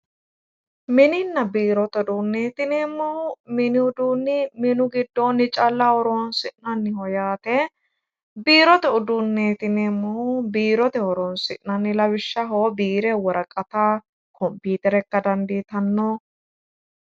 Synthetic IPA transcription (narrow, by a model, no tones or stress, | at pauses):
mɪnɪnːɐbiːɾɔt̪ɛd̪unːeːt̪ɪneːmːɔhʊmɪnɪʊd̪uːnːɪmɪnʊɡɪd̪ːonːɪt͡ʃʼɐlːɐhɔɾoːnsɪʔnɐnːɪhɔjaːt̪ɛ | biːɾɔt̪ɛʊd̪ʊnːeːt̪ɪneːmːɔhʊbiːɾɔt̪ɛhɔɾɔːnsɪʔnɐnːɪlɐwɪʃːɐɦoːbiːɾɛwɔɾɐkʼːɐt̪a | kʰɔmpiːt̪ɛɾɛkːɐd̪ɐnd̪iːt̪ɐnːɔ